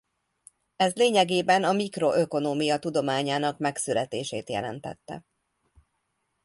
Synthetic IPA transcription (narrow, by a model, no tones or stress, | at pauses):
ɛzleːɲɛɡeːbɛnɒmikro̞ʔø̞ko̞noːmijɒt̪ud̪o̞maːɲaːnɒkmɛksylɛt̪ḛːʃḛːt̪jɛ̰lɛ̰nt̪ɛ̰t̪ːɛ̰